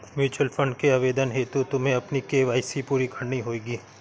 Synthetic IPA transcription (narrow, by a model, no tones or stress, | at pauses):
mjuːt͡ʃʊəlfə̃ɳɖkeaʋeːd̪ənɦeːt̪ut̪ʊmɦẽɐpnikeːʋaːɪsipuːɾikʰɐ̃ɳniɦoːeːɡiː